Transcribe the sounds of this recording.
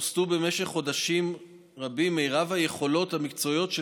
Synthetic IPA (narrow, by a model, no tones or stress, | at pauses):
stube̞meʃeχːo̞d̪aʃim | ʁabimːeʁavhaje̞χo̞lo̞thamikt͡so̞ijo̞t̪ʃ